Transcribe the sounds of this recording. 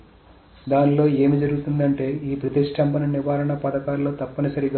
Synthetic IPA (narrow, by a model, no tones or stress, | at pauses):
d̪aːnlo̞ːe̞ːmid͡ʒɐɾuɡut̪und̪ɐɳʈe̞ːiːpɾɐt̪iʂʈʰɐmpɐnɐniʋaːɾɐɳɐpɐd̪ɐkaːlːo̞ːt̪ɐpːɐnisɐɾiɡ